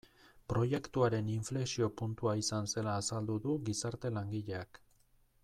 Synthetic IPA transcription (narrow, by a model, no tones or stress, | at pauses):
pɾo̞je̞kt̪uaɾe̞niɱfle̞ksio̞punt̪uaisanse̞laːsald̪uðuɡisaɾt̪e̞laŋɡiʎe̞ak